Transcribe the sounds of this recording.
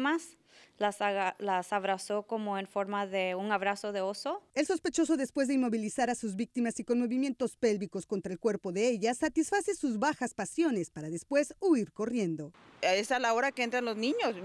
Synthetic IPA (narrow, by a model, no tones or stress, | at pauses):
mas | laslasaβɾaso̞ko̞moenfoɾmaðe̞uŋaβɾaso̞ðe̞osoe̞lso̞spe̞t͡ʃo̞so̞ðespwe̞zðe̞inmo̞βilisaɾasuzβik̚t̪imasiko̞nmo̞βimje̞nt̪o̞spe̞lβiko̞sko̞nt̪ɾaelkwe̞ɾpo̞ðe̞eʝasat̪isfase̞suzβaxaspasjo̞ne̞spaɾaðe̞spwe̞suiɾko̞rje̞nd̪o̞esalao̞ɾakeent̪ɾanlo̞znĩɲos